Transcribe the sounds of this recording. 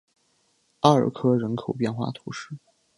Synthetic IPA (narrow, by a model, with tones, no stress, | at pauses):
a˥ə̰˞˨˩kʰɤ˥ɻə˧˥nkʰo˨˩ʊpjɛ˥˧nxwa̰˥˩t̪ʰu˧˥ʂɻ̩˥˩